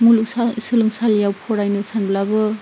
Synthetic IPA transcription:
muluksasɯlɯŋsaljawpʰɔɾajnɯsanblabɯ

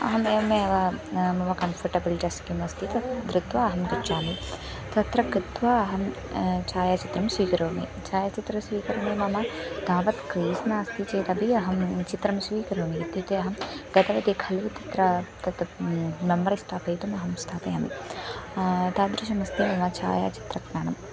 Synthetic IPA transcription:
ɐ̰ɦɐmeːɐmeɐʋamɐmɐkɐnfʰɐɾʈɐbiliʈiɐskimɐst̪it̪ɐd̪ɾɪt̪ʋaɐɦɐmkɐt͡ʃaːmi | t̪ɐt̪ɾɐkit̪ʋaɐɦɐm | t͡ʃaːjat͡ʃit̪ɾɐmsʋiːkɐɾoːnḭt͡ʃaːjat͡ʃit̪ɾɐsʋiːkɐɾɐːmimɐmɐd̪̥aːʋɐt̪kɾiːsnaɐst̪it͡ʃeːt̪ɐbiɐɦɐmt͡ʃit̪ɾɐmsʋiːkɐɾoːniit̪jɐt̪eɐɦɐmɡɐt̪ɐʋɐd̪ekʰɐlʋut̪ɐt̪ɾɐt̪ɐt̪mɐmːɐɾist̪ʰaːpɐjt̪umɐɦɐmst̪ʰaːpɐjɐmḭ | t̪aːd̪ɾiʃɐmɐst̪imɐmɐt͡ʃa̰ːja̰ːt͡ʃi̥t̪ɾɐknaːɳɐm

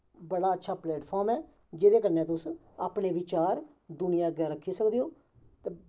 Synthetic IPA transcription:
bəɽaːətːʃʰaːplɛːʈpʰoːɾmɛː | d͡ʒeːd̪eːkəɾnẽːt̪ʊs | aːpɳeːʋɪt͡ʃaːɾ | d̪ʊnɪjãːɡɛːɾəkʰːiːsəkd̪eːoː | t̪e

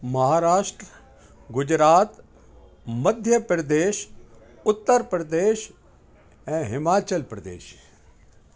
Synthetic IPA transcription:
mɐɦaːɾaːʃʈɾə | ɡʊd͡ʑɾaːt̪ | mɐd̪ʱjəpɾəd̪eːʃ | ʊt̪ːəɾpɾəd̪eːʃ | ɛ̃ːɦɪmaːt͡ʃəlpɾəd̪ḛːʃ

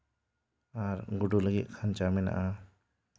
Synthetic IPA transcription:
aɾɡuɖuləɡit̪̚kʰant͡ʃamɛna̰ʔa

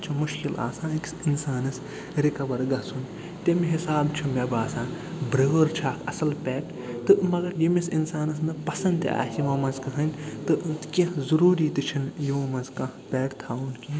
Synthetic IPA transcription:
t͡ʃʰumuʃkila̰ːsãːniksinsaːnɨs | ɾikɐʋɐɾɡɐsʰun | t̪emiɦisaːbt͡ʃʰumʲebaːsãːbɾəːɾt͡ʃʰaːkʰɐsɐlpʲɛːʈ | t̪ɨmɐɡɐɾjemisinsaːnɐs̬nɨpɐsɐnd̪a̰ːsimɐmɐzkɐɦɐnʲt̪ɨt̪kʲɐzɐɾuːɾiːt̪ɨt͡ʃʰinjĩmɐnzkɐ̃pʲɛːʈt̪ʰaːunki

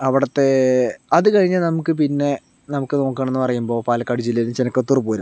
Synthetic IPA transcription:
ɐʋiɽɐt̪ːe̞ɐðɨkɐɻiɲːalnɐmukːɨp̬inːe̞ | nɐmukːɨno̞ːkːaːɳenːɨpɐrɐjumbo̞ːpaːlɐkːɐɽid͡ʑilːenumt͡ɕenɐkːot̪ːurupːoːɾɐm

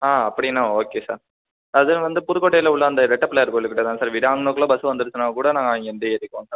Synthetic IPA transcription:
aːɐpːɐɽɪnːãːoːkeːsa̰ːɾ | ɐðɯlʋɐnd̪ɯpʊɾɯkːoːʈːɐjɪlɐʊɭːɐːnd̪ɐɾɛʈːɐpːlejɐɾkoːɭːɯkːɪʈːɐt̪ãːsaːɾʋɪɽaːŋɡnoːkɐlõːbɐsɯʋɐnd̪ɯɾɯt͡ʃːɐnaːɐkuːɽɐnaːŋɡɐːŋɡɐɛnd̪ɐeɾɪkːõːnsa

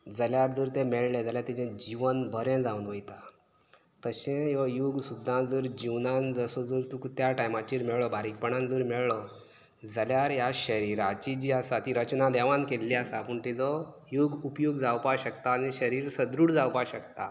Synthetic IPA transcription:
d͡zəljaɾd͡zəɾt̪ẽmɛɭled͡zaljat̪id͡ʑẽd͡ʑiʋənbʱəɾɛ̃d͡zaunʋəjt̪a | t̪əɕɛ̃jɔjuɡsud̪ʱːãd͡zəɾd͡ʑiʋnãnd͡zəsɔd͡zəɾt̪ukt̪jaʈajmat͡ɕiɾmɛɭɭɔbʱaɾik̚pəɳãnd͡zəɾmɛɭɭɔ | d͡zəljaɾjaɕəɾiɾat͡ɕid͡ʑiːasat̪iɾət͡ɕnad̪ɛʋãnkelːiasapəɳt̪id͡zɔ | juɡupjuɡd͡zawpaɕəkt̪aːniɕəɾiːɾsəd̪ɾuɽd͡zawpaɕəkt̪a̰

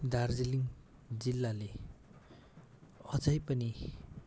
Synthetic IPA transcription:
d̪ard͡ziliŋ | d͡zilːale | ʌd͡zʌjpʌni

